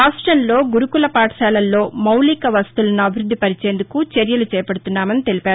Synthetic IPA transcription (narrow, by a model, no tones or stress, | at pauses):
ɾaːsʈɾɐmlo̞ːɡuɾukulɐpaːʈɐʃaːlɐlːo̞ːmɐwlikɐʋɐst̪ulɐnuɐbʱiɾud̪ʱːipɐɾit͡ʃe̞ːnd̪ukut͡ʃeɾjɐlut͡ʃɛːjɐpɐɽut̪unːaːmɐnit̪e̞lipaːɾu